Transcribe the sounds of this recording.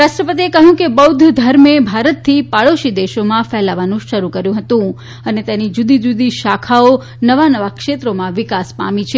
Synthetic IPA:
ɾaʃʈɾəpət̪iekəɦjũkebəwd̪ʱd̪ʱəɾmebʱaɾət̪ʰːipaɭoʃid̪eʃomãfɛlaʋanũʃəɾukəɾjũɦət̪ũ | ənet̪enid͡ʒud̪id͡ʒud̪iʃakʰao | nəʋanəʋakʃet̪ɾomãʋɪkaspa̰mĩt͡ʃʰe

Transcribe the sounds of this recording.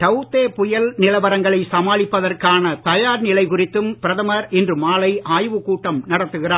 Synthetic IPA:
ʈɐʊt̪ːeːpʊjɐlnɪlɐʋɐɾɐŋɡɐɭɐɪsɐmaːlɪpːɐðɐrkaːnɐt̪ɐjaːɾnɪlɐɪkʊrɪt̪ːɯmpɪɾɐðɐmɐɾɛndrɯmaːlɐɪʔaːjʋɯkuːʈːɐmnɐɽɐt̪ːɯɣɪraː

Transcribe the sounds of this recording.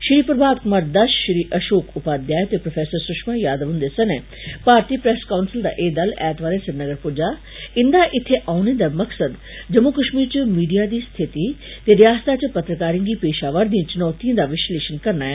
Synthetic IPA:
ʃɾiːpɾəbaːd̪kʊmaːɾd̪ɐʃʃɾiːʔɐʃoːkʰʊpaːd̪jaːet̪epɾofʰɛːsəɾsʊʃmãːjaːd̪əʋɦʊ̃nd̪eːsɐne | paːɾt̪iːpɾɛːskaʊnsɪld̪a̰ːʔeːd̪ɐlɛːt̪ʋaːlesɪɾnəɡəɾpʊːd͡ʒaː | ɪnd̪aʔɪt̪ʰːeʔaːned̪amɐksəd̪ | d͡ʒɐmukəʃmiːɾt͡ʃəmiːɖijaːd̪iːst̪ʰɪt̪it̪eɾɪjaːst̪ʰat͡ʃpɐt̪ɾəkaːɾĩɡiːpeːʃaːʋəɾd̪ĩĩt͡ʃʊnɔːt̪iə̃ːd̪aʋɪʃleːʃənkɐɾnaːɛː

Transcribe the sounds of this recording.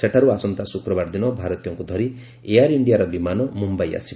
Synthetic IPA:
seʈʰaɾuasɔnt̪asukɾɔbaɾd̪inɔbʱaɾɔt̪ijɔŋkud̪ʱɔɾi | ejaɾiɳɖijaɾɔbimanɔmumbaja̰si

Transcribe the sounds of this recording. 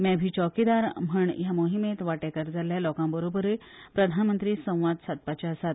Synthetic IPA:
mɛbʱiːt͡ɕɔkid̪aɾm̤əɳjamoɦimet̪ʋaʈekəɾd͡zaljalɔkãmbəɾobəɾe | pɾəd̪ʱanmənt̪ɾiːsə̃w̃ʋad̪sat̪̚pat͡ɕaəsat̪

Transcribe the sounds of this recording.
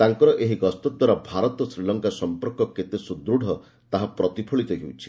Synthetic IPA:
t̪aŋkɔɾɔʔeɦiɡɔst̪ɔd̪waɾabʱaɾɔt̪ɔsɾilɔŋkasɔmpɔɾkɔket̪esud̪ɾuɽ̤ʱɔ | t̪aɦapɾɔt̪ipʰɔɭit̪eɦiwt͡ʃʰi̥

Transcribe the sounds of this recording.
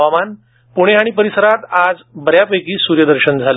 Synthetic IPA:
aman | puɽ̃eɦaɽ̃ipəɾisəɾat̪ad͡zbəɾjapəjkiːsuːɾjəd̪əɾɕənd͡zʱal

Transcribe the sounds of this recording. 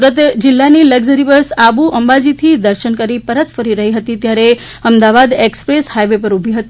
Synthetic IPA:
ɾət̪d͡ʒɪlːaniləɡd͡ʒəɾiʋəsabuʔəmbad͡ʒit̪ʰid̪əɾʃənkəɾipəɾət̪fəɾiɾəɦiɦət̪it̪jaɾe | əmd̪aʋad̪ekspɾeshajʋep̬əɾubʱiɦət̪i

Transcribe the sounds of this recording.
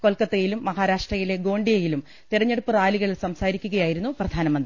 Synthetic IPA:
ko̞lkɐt̪ːejilumːɐɦaːɾaːʂʈrɐjile̞ɡo̞ːɳɖijɐjilum | t̪irɐɲːeɽupːɨraːliɣɐɭilsɐmsaːɾikʲːuɣɐjaːjiɾunːuprɐd̪ʱaːnɐmɐnd̪ri

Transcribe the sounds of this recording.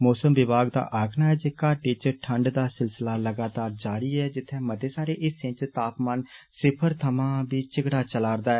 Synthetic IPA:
mɔːsəmʋɪbaːɡd̪a̰ːʔaːkʰnaːɛːd͡ʒeːkaːʈiːt͡ʃəʈʰəɳɖd̪aːsɪlsɪlaːləɡaːt̪aːɾd͡ʒaːɾiːɛːd͡ʒɪt̪ʰːɛ̃ːməd̪eːsaːɾeːʔɪsɪ̃t͡ʃt̪aːpmaːnsɪpʰəɾt̪ʰəmãːbiːt͡ʃɪɡɽaːt͡ʃəlaːɾd̪aːɛː

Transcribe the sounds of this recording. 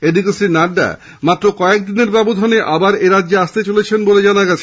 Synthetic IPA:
edikesɾinaɖːa̰ | mat̪ːɾokɔek̚d̪ineɾbɛbod̪ʱoneʔabaɾeɾadːd͡ʑeaʃt̪et͡ɕolet͡ɕʰenboled͡ʑanaɡɛt͡ɕʰe

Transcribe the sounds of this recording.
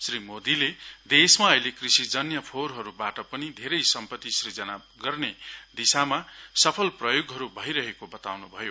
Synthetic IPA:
srimod̪iled̪esmaʌilekrisid͡zʌnjʌpʰoɾɦʌɾubaʈʌpʌnid̪ʱeɾʌjsʌmpʌt̪ːisrid͡zʌna | ɡʌrned̪isamasʌpʰʌlprʌjoɡɦʌɾubʱʌjɾʌɦekobʌt̪a̰wnubʱʌjo

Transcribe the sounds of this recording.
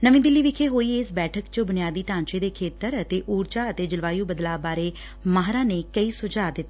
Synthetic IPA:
nəʋĩːd̪ɪlːiːʋɪkʰeːɦoːiːɪsbɛːʈʰəkt͡ʃəbʊnijaːd̪iːt̪ãːɲt͡ʃeːd̪eːkʰeːt̪əɾət̪eːʔuːɾt͡ʃaːət̪eːd͡ʒɪlʋaːjũːbəd̪laːbaːɾeː | maːɦɾãːneːkəiːsʊd͡ʒaːd̪ɪt̪ː

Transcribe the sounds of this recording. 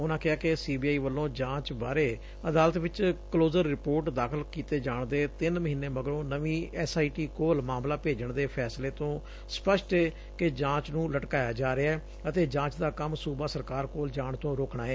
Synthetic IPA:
ʊnãːkɪɦaːkesiːbiːaːiːʋəlːõːd͡ʒãːt͡ʃbaːɾeː | əd̪aːlət̪ʋɪt͡ʃkloːzəɾːɪpoːɾʈd̪aːkʰəlkiːt̪eːd͡ʒaːɳd̪eːt̪ɪnməɦiːnːeːməɡəɾõːnəʋĩːɛsaːiːʈiːkoːlmaːmlaːpeːd͡ʒəɳd̪eːpʰɛːsleːt̪õː | spəʃʈɛː | kɪd͡ʒãːt͡ʃnũːləʈkaːjaːd͡ʒaːɾeaɛː | ət̪eːd͡ʒãːt͡ʃd̪aːkəmsuːbaːsəɾkaːɾkoːld͡ʒaːɳt̪õːɾoːkɳaːɛː

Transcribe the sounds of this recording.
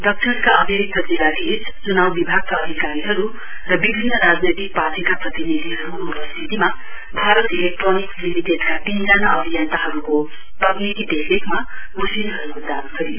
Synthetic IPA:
d̪ʌk̚t͡ʃʰʌɾkaʌmeɾik̚t̪ːʌdilːaɡʱes | t͡sunawbibʱaɡ̚kaːd̪ʱikaɾiɦʌɾu | rʌbibʱinːʌɾad͡znet̪ik̚patʰikaprʌt̪inid̪ʱiɦʌɾuːpʌst̪ʰit̪ima | bʱaɾʌt̪elek̚ʈroniklimiʈedkat̪ind͡zanaʌbʱijʌnt̪aɦʌɾuko | pʌɡnit̪id̪ekʰekma | usinɦʌɾukod̪ankʰʌɾi

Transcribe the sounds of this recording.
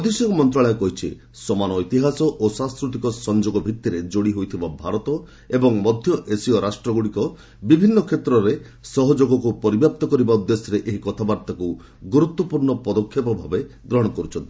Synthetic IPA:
ɔd̪esjɔŋkɔmɔnt̪ɾaɭɔekɔɦit͡ʃʰḭ | sɔmanɔit̪iɦasɔʔosãnskɾut̪ikɔsɔnd͡ʒoɡɔbʱit̪ːiɾed͡ʒoɽiɦojt̪ʰibabʱaɾɔt̪ɔ | ebɔŋmɔd̪ʱjɔʔesiɔɾasʈɾɔɡuɽikɔ | bibʱinːɔkʰet̪ɾɔɾe | sɔɦɔd͡ʒoɡɔk̬upɔɾibjap̚t̪ɔkɔɾibaɔd̪esjɔɾeʔeɦikɔt̪ʰabaɾt̪aku | ɡuɾut̪ːwɔpuɾɳɔpɔd̪ɔkʰːjepɔbʱabed̪ɾɔɦɔɽ̃ɔkɔɾut͡ʃʰɔnt̪i̥

